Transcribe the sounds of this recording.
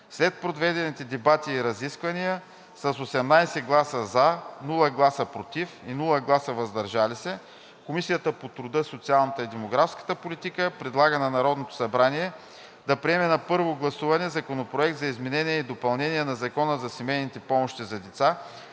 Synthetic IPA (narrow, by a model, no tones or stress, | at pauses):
slɛt̪̚pɾod̪vɛd̪ɛnit̪ɛd̪ɛbat̪iːɾɐziskvɐnijə | sɐsosɛmnajsɛɡlˠasəzanulˠəɡlˠasəpɾot̪ifinulˠəɡlˠasəvɐzd̪ɐɾʒalisɛ | komisijət̪əpot̪ɾʊd̪ɤsot̪sialˠnɐt̪əid̪ɛmoɡɾafskə̥t̪əpolit̪ikəpɾɛd̪lˠaɡənɐnɐɾɔd̪not̪o̥sɐbɾaniɛ | d̪ɐpɾiɛmɛnɐpɤɾvoɡlˠɐsuvɐnɛzɐkonopɾoɛk̚t̪zɐizmɛnɛnʲiɛid̪opɐlˠnɛnʲiɛnɐzɐkɔnəzɐsimɛjnit̪ɛpɔmoʃt̪izɐd̪ɛt̪sa